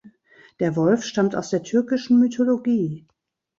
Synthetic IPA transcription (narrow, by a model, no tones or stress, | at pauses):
d̥eːɐvɔlfʃtamta̰ʊsd̥eːɐtʰʏɐkɪʃn̩mytʰoloɡiː